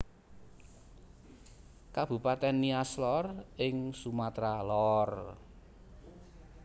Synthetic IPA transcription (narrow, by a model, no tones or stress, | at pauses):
kab̥ṳpat̪ɛnːiaslɔrɪŋsumat̪ɾalɔr